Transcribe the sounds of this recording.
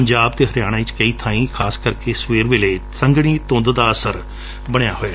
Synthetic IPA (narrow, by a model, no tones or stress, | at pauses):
əɲd͡ʒaːb̚t̪eːɦəɾjaːɽ̃ãːɪt͡ʃkəiːt̪ʰãːĩːkʰaːskəɾkesʋeːɾʋɪleːsəŋɡɽ̃iːt̪õːnd̪d̪aːəsəɾ | bəɽ̃jaːɦoːaː